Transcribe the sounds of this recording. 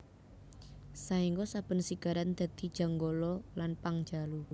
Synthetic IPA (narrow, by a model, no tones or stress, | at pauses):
saiŋɡɔsab̥ə̤nsiɡ̥a̤ɾand̪̥ä̤d̪̥i̤d̥ʒ̥a̤ŋɡɔlɔlanpaŋd̥d͡ʒalu